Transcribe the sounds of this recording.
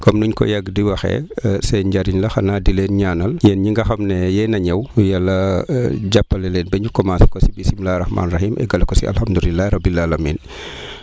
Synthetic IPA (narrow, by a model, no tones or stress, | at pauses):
kɔmnuɲkɔ̰jɐɡdiwɐxɛ̰sɛɲɟɐɾinlɐxɐnaːdileːnɲaːnɐljɛnɲiŋɡɐxɐmnɛjɛnɐɲɐwjalːɐɟapːɐlɛleːnbɛɲukɔmanskɔsibisimlaːrɐxma̰ːnrɐxiːmʔɛ̰ɡɐlɐkɔsḭɐ̰lhɐmdulilːaɾɐbːilalamiːn